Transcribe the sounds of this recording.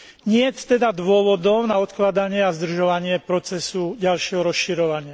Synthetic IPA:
ɲɪɛtt̪ɛd̪ad̪ʋʊɔʋɔd̪ɔʊnaɔt̪klad̪aɲɪɛazd̪r̩ʒɔʋaɲɪɛpɾɔt͡sɛsuɟalʃɪɛɦɔɾɔsʃiɾɔʋaɲɪa

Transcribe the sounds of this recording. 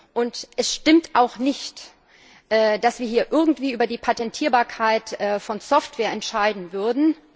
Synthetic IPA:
ʔʊntʔɛsʃtɪmtʔaʊxnɪçt | ʔɛːd̥asv̥iːɐɦiːɐʔɪɐɡŋ̩tv̥iːʔyːbɐdiːpʰatɛntʰiːɐbaːɐkʰaɪtʔɛːfɔnsɔftv̥ɛːɐɛntʃaɪdn̩vʏɐdn̩

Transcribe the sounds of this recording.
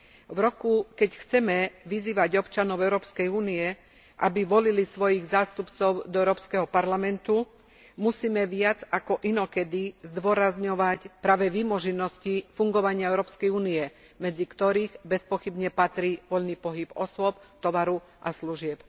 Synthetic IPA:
ʋɾɔkukɛcxt͡sɛmɛʋiziːʋaɟɔpt͡ʃanɔʊɛʊɾɔːpskɛjuːniɛ | ʔabiʋɔlilisʋɔjiɣzaːst̪upt͡sɔʊd̪ɔɛʊɾɔːpskɛɦɔpaɾlamɛnt̪u | musiːmɛʋɪad͡zakɔʔinɔkɛd̪izd̪ʋʊɔɾazɲɔʋacpɾaːʋɛʋimɔʒinɔscifuŋɡɔʋaɲɪaɛʊɾɔːpskɛjuːniɛ | mɛd͡zikt̪ɔɾiːɣbɛspɔxibɲɛpat̪ɾiːʋɔʎniːpɔɦibɔsʊɔpt̪ɔʋaɾu | ʔasluʒɪɛp

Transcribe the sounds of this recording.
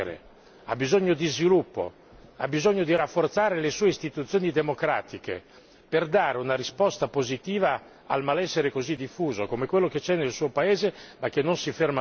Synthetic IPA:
ɾḛ | a̰bizoɲːod̪izvilupːo̰ | a̰bizoɲːod̪iɾafːort̪saːɾelesuːeist̪it̪ut̪sːjoːnid̪emokɾa̰ːt̪ikḛ | perd̪aːɾeunaɾispɔst̪apozit̪iːva | a̰lmalɛsːeɾekozid̪ifːuːzokomekwelːoket͡ʃɛnːelsuːopaeːzemak̟ːenːonsiferma

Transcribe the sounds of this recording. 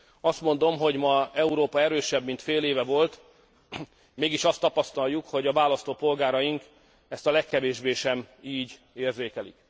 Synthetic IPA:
ɒst̪mo̞nd̪o̞mɦo̞ɟmɒɛuɾoːpɒɛɾøːʃɛbmint̪feːleːvɛvo̞lt̪ | meːɡiʃɒst̪ːɒpɒst̪ɒljukho̞ɟɒvaːlɒst̪oːpo̞lɡaːɾɒjiŋk | ɛst̪ɒlɛkːɛveːʒbeːʃɛmiːɟ | eːrzeːkɛlḭk

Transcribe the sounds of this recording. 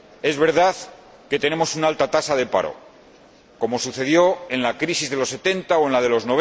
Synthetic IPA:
e̞zβe̞ɾðaθ | ke̞t̪e̞ne̞mo̞sunalt̪at̪asaðe̞pa̰ɾo̞̰ | ko̞mo̞suθe̞ð̞jo̞e̞nlakɾisizðe̞lo̞se̞t̪e̞nt̪aoe̞nlað̞e̞lo̞zno̞β

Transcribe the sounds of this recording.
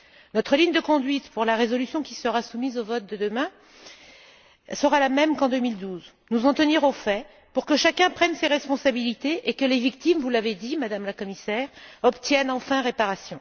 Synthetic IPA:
nɔt̪χəliɲd̪əkɔ̃d̪ɥit̪puʁlaʁezɔlysjɔ̃kʲisəʁasumizovɔt̪̚d̪əd̪əmɛ̃ | səʁalamɛmkɑ̃d̪ømild̪uz | nuzɑ̃t̪əniʁofɛ | puʁkəʃakʲɛ̃pχɛnseʁɛspɔ̃sabilit̪eʔekəlevik̚t̪imvulaved̪imad̪amlakɔmisɛːʁɔpt̪jɛnɑ̃fɛ̃ʁepaʁasjɔ̃

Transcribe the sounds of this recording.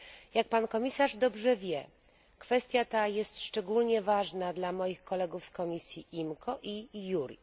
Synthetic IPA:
jak̚pankɔmʲisaʐd̪ɔbʐɛvʲjɛ | kfɛst̪ʲjat̪ajɛst̪ʂt͡ʂɛɡulɲɛvaʐnad̪lamɔjixkɔlɛɡufskɔmʲisʲjiʔimkʰɔʔijuɾʲi

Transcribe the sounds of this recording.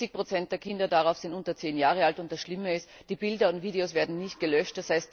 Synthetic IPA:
ɪçpʁ̥ot͡sɛnt̚d̥eːɐkʰɪndɐdaʁaʊfsɪntʊntɐt͡seːnjaːʁəaltʊnt̚d̥asʃlɪməɪst | d̥iːbɪldɐʊntv̥iːɾeosv̥eːɐdn̩nɪçt̚ɡ̥əlœʃtd̥ɐshaɪst

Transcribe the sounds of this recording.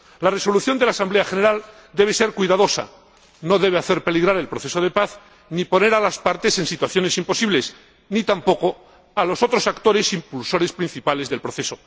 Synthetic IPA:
lare̞so̞luθjo̞nd̪e̞lasamble̞axe̞ne̞ɾal | d̪e̞βe̞se̞ɾkwijðaðo̞sa̰ | no̞ðe̞β̞eaθe̞ɾpe̞liɣɾaɾe̞lpɾoθe̞so̞ðe̞paθ | nipo̞ne̞ɾalaspaɾt̪e̞se̞nsit̪waθjo̞ne̞simpo̞siβle̞s | nit̪ampo̞ko̞ | alo̞so̞t̪ɾo̞sakt̪o̞ɾe̞simpulso̞ɾe̞spɾin̟θipale̞zðe̞lpɾo̞θe̞so̞

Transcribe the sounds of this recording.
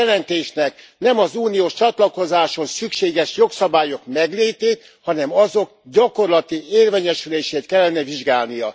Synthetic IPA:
ɛlɛnt̪eːʃnɛk | nɛmɒzuːnijoːʃt͡ʃɒt̪lɒko̞zaːʃo̞nsykʃeːɡɛʃjo̞ksɒbaːjo̞kmɛɡleːt̪eːt̪ | hɒnɛmɒzo̞kɟɒko̞rlɒt̪ieːrveːɲɛʃyleːʃeːt̪̚kɛlːɛnɛviʒɡaːlnijɒ

